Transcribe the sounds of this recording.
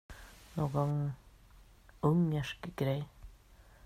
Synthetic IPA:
noːɡɑŋ | ʊŋəʃkəɡ̥ɾeɪ

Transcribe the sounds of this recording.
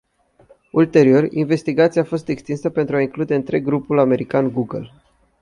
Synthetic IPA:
ult̪e̞ɾio̞rʲḭnve̞st̪iɡat̪siaːfo̞st̪e̞kst̪insəpent̪ɾuaiŋklud̪e̞ɨnt̪ɾe̞ɡɡɾupulame̞ɾikanɡuɡəl

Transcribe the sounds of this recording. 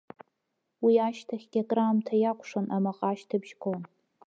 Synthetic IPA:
wiaʃtʰaχʲɡʲakʼraːmtʰajakʷʼʰʂanʔamaqʼaʃtʰɨbʒkʰʼon

